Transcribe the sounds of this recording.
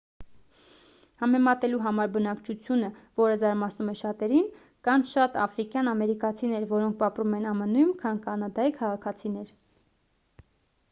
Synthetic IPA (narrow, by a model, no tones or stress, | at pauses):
hɑmɛmɑt̪ɛluɦɑmɑɾbənɑkt͡ʃʰut͡sʰjunəvɔɾəzɑɾmɑt͡sʰnumɛʃɑt̪ɛɾin | kɑnʃɑt̪ɑfɾikjɑnɑmɛɾikɑt͡sʰinɛɾvɔɾɔŋk̚ʰpɑpɾumɛnɑmənujmkʰɑnkɑnɑd̪ɑikʰɑʁɑkʰɑt͡sʰinɛɾ